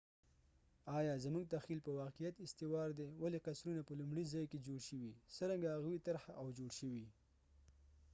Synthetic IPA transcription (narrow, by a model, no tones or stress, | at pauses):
ɑjɑzamuɡ̚t̪axilpəwɑqijat̪ɪst̪ewɑɾd̪ewaleqasɾunapəlʊmɽizɑjked͡ʒoɽʃəwisəɾaŋɡaaɣwit̪aɾhaʔawd͡ʒoɽʃəwi